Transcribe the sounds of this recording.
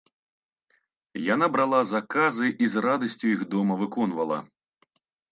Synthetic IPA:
jan̪abɾalˠazakazɨʔizrad̪ɐsʲt͡sʲuiɣd̪ɔmɐvɨkɔnvɐlˠɐ̰

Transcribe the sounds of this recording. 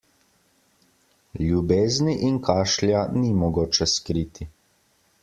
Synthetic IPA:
lʲjubeːzniʔinkʰaːʃljanimɔɡoːt͡ʃɛskɾiːt̪ʰi

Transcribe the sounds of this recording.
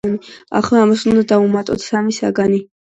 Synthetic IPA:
nia̰χlɛamasund̪ad̪aumat̪ʼɔ̰t̪ʰsamisa̰ɡani

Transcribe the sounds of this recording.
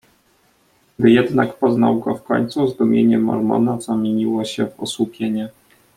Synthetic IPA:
bɘjɛd̪nakpɔzna̰wɡɔfkɔ̰ɲt̪suzd̪umʲjeɲɛmɔ̰ɾmɔ̰nazamʲjeɲiwɔɕɛvɔswupʲjeɲɛ

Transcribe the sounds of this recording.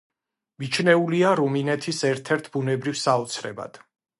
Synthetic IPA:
mit͡ʃʰnɛuliaɾuminɛt̪ʰisɛɾt̪ʰɛɾt̪ʰbunɛbɾivsaɔt̪sʰɾɛ̰ba̰d̪̥

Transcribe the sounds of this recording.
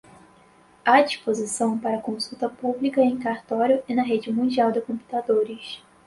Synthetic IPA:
ad͡ʒiʃpozisɐ̃w̃paɾɐkõsut̪ɐpublikɐẽj̃kaɾt̪ɔɾjʊɪnɐɦed͡ʒɪmũnd͡ʒiawd̪ɪkõmpu̥t̪ad̪oɾɪs

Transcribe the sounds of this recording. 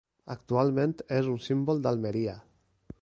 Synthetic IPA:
akt̪ualˠmẽnt̪ezunsimbolˠd̪alˠmeɾia

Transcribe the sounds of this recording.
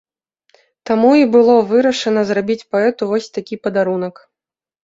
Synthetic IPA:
t̪amuibɨlˠɔvɨɾɐʂɐnɐzrabʲit͡sʲpaɛt̪uvɔsʲt̪akʲipɐd̪aɾun̪ɐk

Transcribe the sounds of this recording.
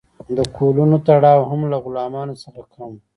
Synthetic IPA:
d̪əkʰolunot̪aɽɑwɦamlaɣʊlɑmɑnosəxakʰam

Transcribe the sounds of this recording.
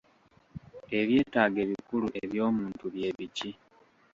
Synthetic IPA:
e̞βje̞ːtaːɡe̞ːβikuluʔeβjo̞ːmuːntuβje̞βici

